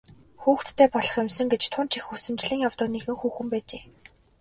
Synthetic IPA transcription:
xuːxt̪ʰːæːpɔɮɞ̆χemsə̆ŋɡet͡ɕt̪ʰʊnt͡ɕixusɘ̆mt͡ɕɮĭŋjawt̪ə̆kneɣɘ̆ŋxuːxɘ̆mpæːt͡ɕeː

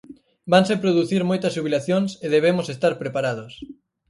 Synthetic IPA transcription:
baŋsepɾoðuθiɾmojt̪ɐzʒuβilaθjoŋseðeβ̞emʊsest̪aɾpɾepaɾað̞os

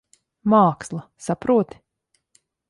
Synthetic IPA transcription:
maːkslˠasapɾuɔt̪i̥

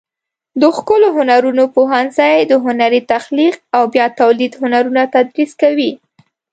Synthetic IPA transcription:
d̪əxkəloɦʊnaɾunopoɦansajed̪əɦʊnaɾit̪axliq̚awbjɑt̪awlid̪hʊnaɾunat̪ad̪ɾiskawi

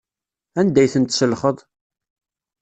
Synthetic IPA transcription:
ænd̪æjθənt̪səlχəðˤ

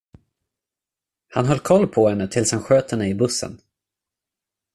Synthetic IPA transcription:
hanɦœlːkʰɔlːpʰɔhɛnːət̪ʰɪlshanɧøːt̪hɛnːəɪbɵsːə̰n

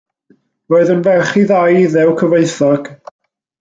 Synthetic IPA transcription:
roːɨðənvɛχiðajiðɛwkʰəveɨθɔɡ̥

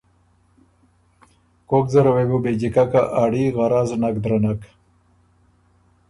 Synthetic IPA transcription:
kokzəɾawebubed͡ʑikakaʔaɽiɣaɾaznakd̪ɾanak

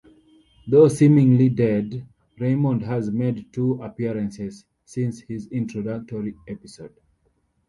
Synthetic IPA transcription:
ðosĩmĩŋlidɛd | ɹẽɪmɔ̃ndhæzmedtʰuapiɹə̃nsɛz̥ | sĩnshizĩntʰɹɔdak̚tɔɹiɛpisod̥

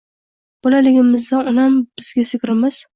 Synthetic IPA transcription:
b̥ɒlalɪɡʲɪmɪzd̪anɒlamb̥ɪzɡʲasɪkʲɾɪmɪz̥

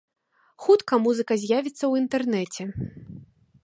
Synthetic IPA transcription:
xut̪kɐmuzɨkɐzʲjavʲit̪sːɐwint̪ɛrnɛt͡sʲɛ

